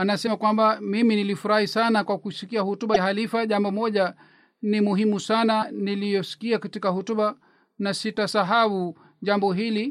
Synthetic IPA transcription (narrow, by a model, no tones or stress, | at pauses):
anasɛmakwambamiminilifuɾahisanakwakusikiahutuɓahalifaʄambɔmɔʄa | nimuɦimusananilijɔsi̥kiakatikahutuɓa | nasitasaɦau | ʄambɔɦili